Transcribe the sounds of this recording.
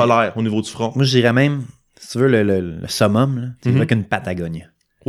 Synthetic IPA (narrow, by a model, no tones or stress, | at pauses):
ɔlɛːʁonivod̪y̥fχɔ̃mwaʒəd͡ʒiːʁɛmɛ̃ɪm | si̥t͡s̪ivølələlə̰sɔmɔmlʌt͡sevɛkynpat̪aɡɔɲ